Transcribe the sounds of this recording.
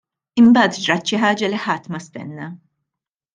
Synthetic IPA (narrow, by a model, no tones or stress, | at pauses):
ɪmbɐːt̪d͡ʒɾɐt͡ʃːɪħɐːd͡ʒɐlɪħɐt̪ːmɐst̪ɛ̰nːɐ